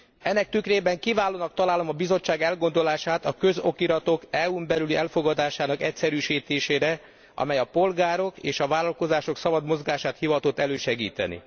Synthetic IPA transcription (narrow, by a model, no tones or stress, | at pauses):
ɛnːɛk̚t̪ykreːbɛŋkivaːloːnɒk̚t̪ɒlaːlo̞mɒbizo̞t͡ʃːaːɡɛlɡo̞nd̪o̞laːʃaːt̪ɒkø̞zo̞kiɾɒt̪o̞kɛumbɛlyliʔɛlfo̞ɡɒd̪aːʃaːnɒkɛcsɛɾyːʃiːt̪eːʃeːɾɛ | ɒ̰mɛjɒpo̞lɡaːɾo̞kḛːʃɒvaːlɒlko̞zaːʃo̞ksɒbɒd̪mo̞zɡaːʃaːt̪hivɒt̪ot̪ːɛløːʃɛɡḭːt̪ɛ̰nḭ